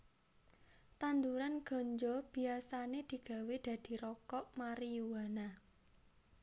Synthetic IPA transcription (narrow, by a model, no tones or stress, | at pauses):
t̪and̪uɾanɡ̥ɔ̤ɲd͡ʒɔb̥i̤asaned̪̥i̤ɡ̥ä̤wed̪̥a̤d̪̥i̤ɾɔkɔʔmaɾijuwana